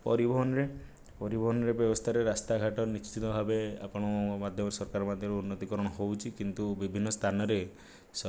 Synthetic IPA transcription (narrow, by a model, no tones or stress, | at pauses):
pɔ̰ɾibɔɦɔnɔɾe | pɔɾibɔɦɔnɔɾebjɔbɔst̪ʰaɾeɾast̪aɡʱaʈɔnist͡ʃt͡ʃit̪ɔbʱabea̰pɔɽ̃ɔmad̪ʱjɔmɔɾsɔɾkaɾɔmad̪ʱjɔɾeunːɔt̪ikɔɾɔɽ̃ɔɦowt͡ʃʰikint̪ubibʱinːɔst̪ʰanɔɾe | s